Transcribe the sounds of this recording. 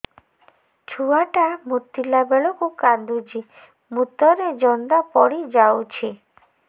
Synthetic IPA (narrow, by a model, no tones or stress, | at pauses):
t͡ʃʰuaʈamut̪ːilabeɭɔkukand̪ud͡ʒi | mut̪ɔɾed͡ʒɔnd̪apɔɽid͡ʒawt͡ʃʰi